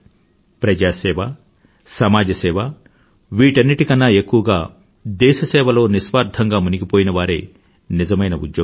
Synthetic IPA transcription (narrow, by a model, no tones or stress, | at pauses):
pɾɐd͡ʒaːsɛːʋɐ | sɐmaːd͡ʒɐsɛːʋɐ | ʋiːʈɐnːiʈikɐnːaːekːuʋɐɡaː | d̪ɛːʃɐsɛːʋɐlo̞ːnisʋaːɾd̪ʱɐŋɡaːmuniɡipoːjinɐʋaːɾḛː | nizɐmɐjnɐṵd̪joː